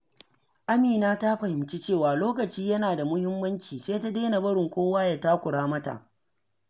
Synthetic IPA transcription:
ʔa˦miː˨naː˦ta˦ɸɐ˨hɪ˨mt͡ʃe˦t͡ʃeː˦˨waː˨loː˦kɐ˨t͡ʃiː˦jɐ˦naː˨da˨mʊ˦hɪ˦mːɐ˦nt͡ʃiː˨seː˦ta˦deː˦na˨bɐ˦ɽɪ˨ŋkʷoː˦waː˦ja˨ta˦kʷʊ˨ɽaː˦mɐ˦ta̰˨ʔ

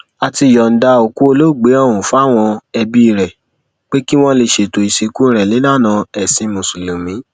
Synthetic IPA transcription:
a˨ti˧˨jɔ˨n̩˨da˧o˨ku˦o˧lo˦˨ɡ͡be˨˦ɔ˦˨wũ˨fu˨˦a˦˨w̃ɔ̃˧ɛ˧bi˦˧˨ɾɛ˨ | k͡pe˦ki˦w̃ɔ̃˦le˧ʃe˨to˨i˨ʃe˨ku˦˧ɾ̃ɛ˨li˨˦la˦˨nã˧ɛ˨sĩ˧mũ˨su˨lu˨mĩ˨˦

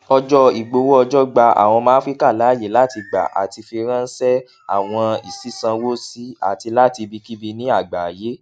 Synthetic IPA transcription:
ɔ˧d͡ʒɔ˦i˨ɡ͡bo˧wo˦ɔ˧d͡ʒɔ˦ɡ͡ba˧a̰˨w̃ɔ̃˧mã˦fɾi˦ka˦˨la˨˦˨je˨la˦ti˧ɡ͡ba̰˨ʔa̰˨ti˧fi˧ɾã˦n̩˦sɛ˦ | a̰˦˨w̃ɔ̃˧i˨si˨˦sã˧wo˦si˦a̰˨ti˧la˦ti˧bi˧ki˦bi˧nĩ˦a˦˨ɡ͡ba˨je˨˦

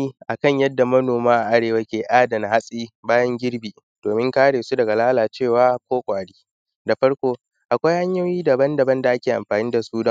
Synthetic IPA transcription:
iː˦ʔa˨kɐ˦˨ɲjɐ˦dːa˨mɐ˦noː˨maː˦ʔa˨ʔa˦ɽeː˨wa˦kʲeː˨ʔaː˦dɐ˨n˨ha˦sʼiː˦baː˦jɐ˦ŋɡʲɪ˦ɽbiː˨ | d̥oː˨mɪ˦ŋkaː˦ɽeː˨su˦dɐ˨ɡa˨laː˦laː˨t͡ʃeː˦˨waː˦kʷoː˦kʷʼaː˨ɽiː˦ | da˨ɸɐ˦ɽkʷoː˦ | ʔa˨kʷa˦jha˦ɲjo˦jiː˦dɐ˨bɐ˦ndɐ˨bɐ˦nda˨ʔa˦kʲeː˨ʔa̰˨mɸaː˨niː˦da˨suː˦dɐ˦

